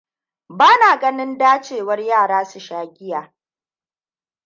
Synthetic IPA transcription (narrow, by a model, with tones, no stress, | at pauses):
baː˦naː˨ɡɐ˦nɪ˦ndaː˦t͡ʃeː˦˨wɐ˦rjaː˦˨ɽaː˦su˨ʃaː˦ɡʲɪ˦jaː˨